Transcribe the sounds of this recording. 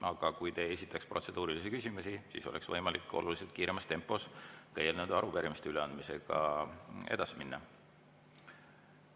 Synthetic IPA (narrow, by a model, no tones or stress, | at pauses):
ʔɑɡ̥ɑkujt̪e̞e̞sit̪ˑːɑksprʔo̞t̪se̞d̪̥uːɾilisikysʲimusisḭso̞lʔeksvɤjmɑlikːˑo̞̰luliselt̪̚kiːɾe̞mɑst̪e̞mpːˑo̞skejelnud̪̥ɑɾupeɾimist̪eyle̞ɑnd̪̥mise̞ɡ̥ɑ̰ | e̞̰d̪̥ɑsiminːɑ